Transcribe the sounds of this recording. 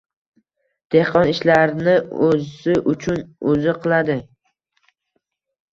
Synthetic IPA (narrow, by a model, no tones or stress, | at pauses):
d̪̥ehqʰɒnɪʃlaɾnɪɵɪʔʊt͡ʃʰʊnɵzɪqʰɨlˠad̪ɪ